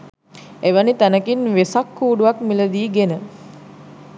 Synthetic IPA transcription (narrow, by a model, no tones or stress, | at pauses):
eʋənit̪ænəkinʋesakːuːɖuʋakmiləd̪iːɡenə